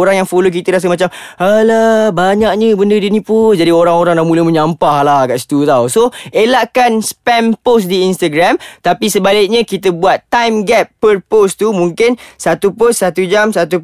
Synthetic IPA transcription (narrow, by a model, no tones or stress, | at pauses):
oɾaŋjaŋfolok̬it̪əɾas̬əlmat͡ʃam | əlabaɲaʔ̚ɲəbəndədinĩpund͡ʒadioɾaŋoɾaŋlaʔmũləmə̃ɲampahlahɡaʔsi̥t̪ut̪awsoelaʔkanspɛnposdiinst̪aɡɾamt̪apisəbalɪk̚ɲə̃kit̪əbuat̪ːajmɡɛpːərpost̪umũŋkɪnsat̪uposːat̪ud͡ʒamsat̪u